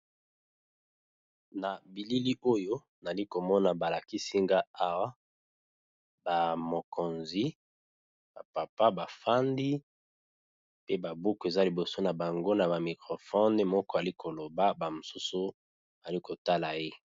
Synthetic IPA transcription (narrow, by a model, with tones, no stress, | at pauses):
na˨bi˨li˦li˦ʔo˦jo˦ | na˨li˦ko˨mɔ˦na˨ba˨la˨ki˦si˦ŋɡa˦a˨wa˦ | ba˨mo˨kʰo˨nzi˦ | ba˨pa˨pa˦ba˨fa˦ndi˦ | pe˦ba˨bu˦ku˨e˨za˦li˨bo˨so˦na˨ba˨ŋɡo˦na˨ba˨mi˨kʁo˨fɔ˦n˦mɔ˦kɔ˦a˨li˦kʰo˨lo˨ba˦ba˨mo˨su˦su˦ | a˨li˦ko˨ta˦la˨je˦